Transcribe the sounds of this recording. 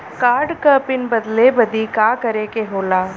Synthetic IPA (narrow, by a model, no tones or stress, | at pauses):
kaːɾɖkəːpɪnbɐd̪lebɐd̪ikaːkɐɾekeɦoːlaː